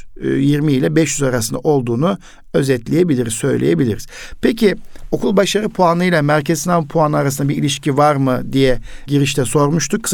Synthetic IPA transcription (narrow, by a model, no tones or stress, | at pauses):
jiɾmiːlʲɛbɛʃjyzaɾasɯnd̪a̰ʔo̞lˠd̪uːnu | ø̞zɛt̪lʲejebilʲiɾizsø̞jlʲḛjebilʲiɾiz̥ | pʰecio̞kʰulˠbaʃaɾɯpʰuanɯjlˠamæɾcʰeznʲampʰuanɯaɾas̬ɯnd̪abiɾilʲiʃcivaɾmɯd̪ijɛɟiɾiʃt̪ʰɛso̞ɾmuʃt̪ʰuk